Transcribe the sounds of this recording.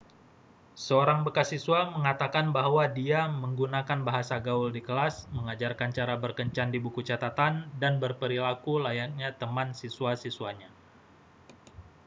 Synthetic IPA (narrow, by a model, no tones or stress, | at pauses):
səoɾaŋbəkasisuaməŋat̪akanbaɦwadiaməŋɡunakanbaɦasaɡauldikəlasməŋad͡ʒarkant͡ʃaɾabərkəɲt͡ʃandibukut͡ʃat̪at̪andanbərpəɾilakulajak̚ɲat̪əmansisuasisuwaɲa